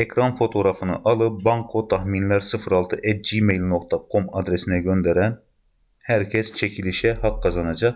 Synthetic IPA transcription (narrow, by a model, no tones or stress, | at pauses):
ekʲʰɾɑnfot̪ʰoɾɑfɯnɨʔɑlˠɨp̚bɑŋkʰot̪ʰɑhminlæɾsɨfɾɑlˠt̪ʰɨʔɛd͡ʒimejlnoq̚t̪ʰɑqʰːomɑd̪ɾesɪnɛɡʲønd̪ɛɾɛn | hæɾkʲʰɛst͡ʃʰɛkʲʰilɪʃɛhɑqʰːɑzɑnɑd͡ʒɑq